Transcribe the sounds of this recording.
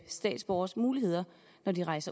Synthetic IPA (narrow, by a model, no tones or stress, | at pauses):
sd̥ɛ̰ːd̥sb̥ɒʊ̰ɐsmuːlihe̝ð̰ˠɐ | nɒdiʁɑ̈ɪsɐ